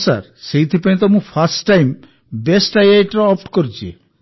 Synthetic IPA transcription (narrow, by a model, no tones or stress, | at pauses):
sa̰ɾsejt̪ʰipaĩt̪̬ɔmũpʰasʈːajm | besʈajajʈɾɔɔpʈkoɾt͡ʃʰiḛ